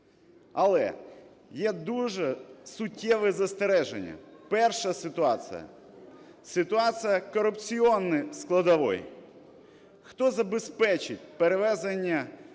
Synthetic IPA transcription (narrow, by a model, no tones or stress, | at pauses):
ɐlˠɛ̰ | jɛd̪uʒɛsʊtʲːɛʋɛzɐst̪eɾɛʒḛnʲːɐ̰pɛrʃɐsɪt̪ʊɑ̰t͡s̪ɨ̰jɐ̰ | sɪt̪ʊɑsɨjɐkɔɾʊpt͡sʲiɔnːɪsklˠɐd̪ɐʋɔ̰j | xt̪ɔzɐbespɛt͡ʃɪt̚ʲpeɾeʋɛzenʲːɐ